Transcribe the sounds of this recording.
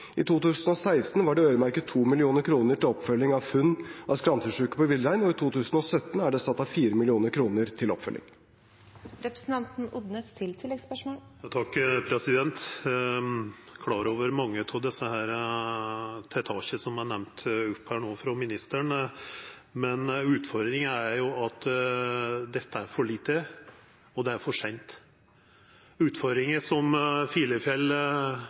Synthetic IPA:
ʔɪ̰t̪ʰuːt̪ʉːsən̩ɔsæɪst̪n̩ʋɑɖɛøːʏɾəmæɾkət̪ʰuːmɪlɪuːnəɾkʰɾuːnəʈɪlɔpfœlːɪŋɑʋfʉnːʔɑskɾɑnt̪ʰʉʂʉːkə̥pɔʋɪlːɾæɪnɔɪt̪ʰuːt̪ʰʉːsn̩ɔsœt̪ːn̩æɖɛsɑt̪ːɑfiːɾəmɪlɪuːnəɾkʰɾuːnəɾt̪ʰɪlɔ̰pfœ̰lʔɪ̰ŋ | ɾɛpɾəsn̩t̪ɑnt̪n̩ʊd̪nəst̪ʰɪlt̪ʰɪlːɛɡspœʂmoːljɑt̪ʰɑkːpʰɾɛsɪd̪ɛnt̪ | kʰlɑːɾoːʋəɾmɑŋːət̪ʰɑd̪ɛsːəhæːɾə | t̪ʰɛt̪ʰɑːɕəsɔmɑɳɛʋnt̪ʉpːhæːɳoːfɾɑmɪnɪst̪əɳ | mɛnʉːt̪fɔɾd̪ɾɪŋəæɾjʊɑt̪ | d̪ɛt̪ːəæɾfɔɭiːt̪ːə | ɔd̪ɛæɾfɔʂɛɪnt̪ | ʉːt̪fɔɾd̪ɾɪŋəsɔmfiːləfjɛl

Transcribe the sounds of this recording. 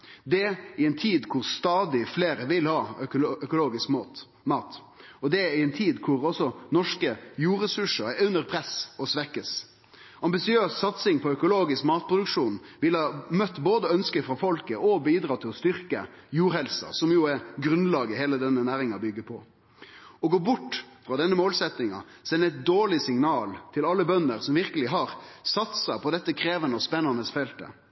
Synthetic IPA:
d̪ɛɪɛnt̪ʰiːd̪kʰʊɾst̪ɑːd̪ɪfleːɾəʋɪlhɑːœkʊloːɡɪskm | mɑːt̪ | ɔd̪ɛɪɛnt̪ʰiːd̪kʰʊɾɔsɔnɔʂkəjuːɾɛsʉʂəɾɛɾʉnːəɾpʰɾɛsɔsʋɛkːəs | ʔɑmbɪsɪøːssɑt̪sɪŋpʰɔœkʊloːɡɪskmɑːt̪̚pʰɾʊd̪ʉkʂuːnʋɪlhɑːmœt̪ːboːd̪əœnskəfʁɑfɔlkəʔɔbiːd̪ɾɑːt̪ʰɪlɔst̪ʏɾkə̰ | juːɾhɛlsɑ̰sɔmjʊɛɾɡɾʉnlɑːɡəheːləd̪ɛnːənæːɾɪŋɑbʏɡːəpʰɔ̰ | ɔɡoːbʊʈːfɾɑːd̪ɛnːəmoːlsɛt̪nɪŋɑ̰ | sɛnːəɛt̪̚d̪oːɭɪsɪŋnɑːlt̪ʰɪlɑlːəbœnːəɾsɔmʋɪɾkəlɪɦɑɾsɑt̪sɑpʰɔd̪ɛt̪ːəkʰɾeːʋənəɔspɛnːɑnəsfɛlt̪ə̰

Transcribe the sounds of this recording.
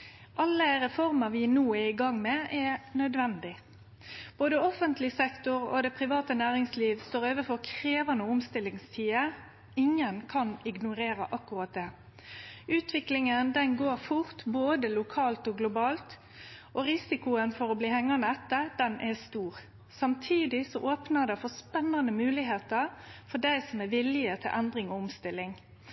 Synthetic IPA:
ʔɑlːəʁɛfɔʁmɑʋɪːnuːæɪɡɑŋːmɛʔɛnœd̪ʋɛnd̪ɪ | b̥oːd̪əɔfənt̪lɪsɛkt̪ʊɾo̰d̪ɛpʰɾɪʋɑːt̪ənæːʁɪŋsliːʋst̪oːɾøːʋəfɔʁkʰɾeːʋɑnəoʊmst̪ɪlːɪŋst̪ʰiːə | ɪŋːənkʰɑnɪɡnʊɾeːɾəʔɑkːʊʁɑt̪̚d̪eː | ʔʉːt̪ʰʋɪklɪŋənd̪ɛnɡoːɾfʊʁt̪boːd̪əlʊkʰɑːlt̪ɔɡlʊbɑːlt̪ | ʔɔʁɪsɪkʊənfɔɾɔbliːhɛŋːɑnəɛt̪ːəd̪̥ɛnʔɛst̪uːʁ | sɑmt̪ʰiːd̪ɪsɔʔoːpnəd̪ɛfɔspɛnːɑnəmʉːlɪɦeːt̪əʁfɔɖæɪsɔmæʋɪlɪət̪ʰɪlʔɛnd̪ɾɪŋɔʊmst̪ɪlːɪŋ

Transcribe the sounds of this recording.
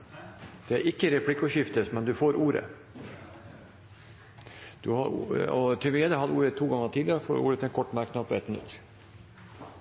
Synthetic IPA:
d̪̥ɛæɾʔɪkːəɾɛpʰɽɪkːʉʂɪft̪ət̪mɛnd̪ʉfoːɾuːɾə̰ | d̪̥ʉhɑɾ̰ɔt̪ʰɛʋeːd̪əhɑd̪əuːɾət̪ʰːuːɡɑŋət̪ʰiːd̪ɪəɾəfo̰ːɾṵːɾət̪ʰɛnkʰɔʈːmæɾkʰnɑpːɔɛt̪mɪnʉ̰t̪ː

